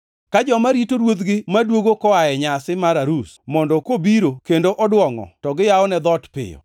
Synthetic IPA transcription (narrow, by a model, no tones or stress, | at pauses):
kad͡ʒɔmaɾitoɾwot̪ɡɪmadwoɡokɔaɛɲasɪmaɾaɾus | mɔndɔkobiɾokendoʔɔdwɔŋɔ̰tɔɡɪjaɔnɛd̪ɔtpɪ̰jɔ̰